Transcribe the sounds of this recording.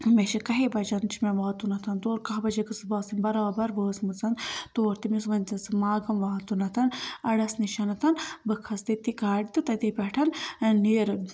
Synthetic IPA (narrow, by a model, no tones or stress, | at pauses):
meʃɐkɐɦebɐd͡ʒɐnt͡ʃʰimeʋaːt̪unɐt̪ʰɐnt̪oːɾkɐɦbɐd͡ʒɐkɨsɨbaːsinʲbɐɾaːbɐɾbəːsmɨt͡sɐnt̪oːɾt̪imisʋɐnʲzɐsɨmaːɡɐmʋaːt̪unɐt̪ʰɐnɐɽɐsniʃɐnɐt̪ʰɐnbɨkʰɐst̪it̪ikaːɽit̪ɨt̪ɐt̪ipʲeʈʰɐnniːɾɨ